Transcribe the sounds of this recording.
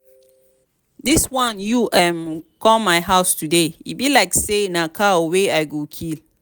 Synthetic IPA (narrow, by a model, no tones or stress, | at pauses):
diswãnjuʔɛ̃mkɔ̃maɪɦaʊstudeḭbilaɪksenakʰaoweaɪɡokʰil